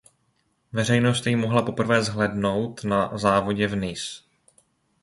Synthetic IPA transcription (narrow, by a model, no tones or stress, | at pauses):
vɛr̝ɛjno̞st̪jɪmoɦlapo̞pr̩vɛːzɦlɛdno̞wt̪nazaːvo̞ɟɛvnɪs